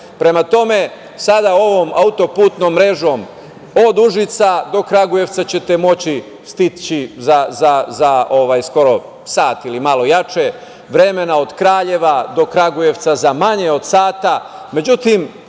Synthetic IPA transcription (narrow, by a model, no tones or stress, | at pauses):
pɾe̞mat̪o̞me̞ | sad̪ao̞ʋo̞ːmaut̪o̞puːt̪no̞ːmːɾe̞ʒo̞ːm | o̞d̪uʒit̪sad̪o̞kɾaɡuje̞ʋt̪sat͡ɕe̞t̪e̞mo̞t͡ɕi | st̪it͡ɕizazazao̞ʋaːjsko̞ɾo̞ | saːt̪ilimalo̞jat͡ʃe | ʋɾe̞me̞nao̞d̪̥kɾaːʎe̞ʋad̪o̞kɾaɡuje̞ʋt̪sazamaɲe̞o̞d̪̥saːt̪a | me̞d͡ʑut̪im